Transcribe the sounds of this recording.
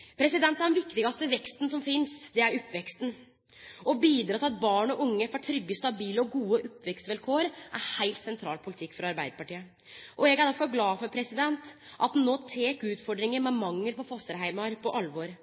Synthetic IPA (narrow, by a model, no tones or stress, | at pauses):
pʰɾɛsɪd̪ɛnt̪ːæɖɛnʋɪkːt̪ɪɡɑst̪əʋɛkst̪n̩sɔmfɪnsd̪ɛæɾʊpːʋɛkst̪n̩ | ɔbiːd̪ɾɑːt̪ɪɑt̪̚bɑːɳɔʔʊŋːəfɑʈ̪ʰɾʏɡːəst̪ɑbiːləɔɡuːəʔʊpːʋɛkst̪ʋɛlkʰoːɾʔæɾhæɪlt̪sɛnt̪ʰɾɑ̰ːlpʰʊlɪt̪ʰɪkːfɾɑɑɾbæɪd̪əɾpɑʈiːə | ʔɔɛɡæɖ̪æɾfɔɾɡlɑːfɔɾpʰɾɛsɪd̪ɛnt̪ʔɑt̪nːoːt̪ʰeːkʉːt̪fɔɖɾɪŋəɾmɛmɑŋːəlpɔfɔst̪əɾɦæɪmɑɾpʰɔʔɑlʋɔɾ